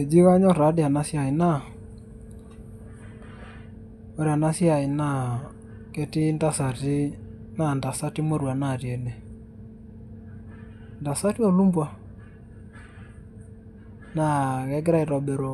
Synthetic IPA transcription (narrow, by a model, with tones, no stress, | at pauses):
e˨d͡ʒi˦wa˦ɲɔ˦ɾa˨˦dɪ˦˨a˨na˦sja˨i˨na˦ | o˨˦ɾa˨na˦sja˨i˨na˦˨ | kɛ˦tɪ˦nda˦sa˨ti˦ | na˦˨nda˨sa˦ti˦mo˦ɾwa˨na˦˨ɾjɛ˨ne˨ | nda˨sa˦ti˦ɔ˦˨lu˦mbwa˨ | na˨ɣɛ˨˦ɡɪ˦ɾa˦i˨ɾɔ˨be˨ɾo˨